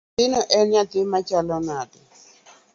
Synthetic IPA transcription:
inɔʔɛɲatimat͡ʃalɔnaːt̪i

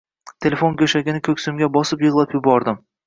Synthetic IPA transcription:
t̪ʰelʲefonkʲʰɵʃaɡʲɪnɪkʲʰɵkʲsʊmɡʲabɒsɪpjɨʁlˠapjʊbɒɾd̪ɪm

